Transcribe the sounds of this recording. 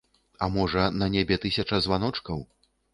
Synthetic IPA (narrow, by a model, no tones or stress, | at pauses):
ɐmɔʐɐnɐnʲebʲɛt̪ɨsʲɐt͡ʂɐzvanɔt͡ʂkɐw